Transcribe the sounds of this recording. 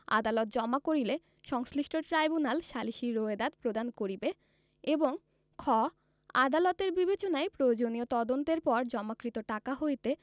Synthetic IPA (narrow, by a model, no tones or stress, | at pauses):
a̰d̪alɔt̪̚d͡ʑɔmakoɾile | ʃɔŋsɾiʃʈʰoʈɾajbunalʃaliʃiɾoed̪ad̪̚pɾod̪ankoɾibe | eboŋ | kʰɔ | a̰d̪alot̪eɾbibet͡ɕonaepɾojd͡ʑoniot̪ɔd̪ont̪eɾpɔɾd͡ʑɔmakɾit̪oʈakaɦojt̪e